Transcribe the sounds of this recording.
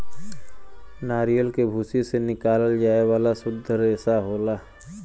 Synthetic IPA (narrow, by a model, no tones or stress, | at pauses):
naːɾijəlkebʱuːsisenɪkaːləld͡ʒaːewaːlasʊd̪ʱːəɾɛːsaɦoːlaː